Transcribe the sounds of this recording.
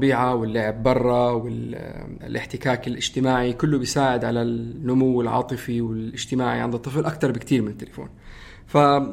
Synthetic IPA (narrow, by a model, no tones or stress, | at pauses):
biːʕawɪlːʊʕɪbːɑrˤːɑwɪ | lʔɪħt̪ɪkaːkɪlʔɪd͡ʒt̪ɪmaːʕikʊlːʊbjsaːʕɪd̪ʕalanːʊmʊwːɪlʕɑ̰ːt̪ˤɨfiwɪlʔɪd͡ʒt̪ɪmaːʕiʕɪnd̪ʊt̪ˤːɨflʔakt̪ɑɾˤbɪkt̪iːɾmɪnɪt̪ːɪlafo̰ːn | fa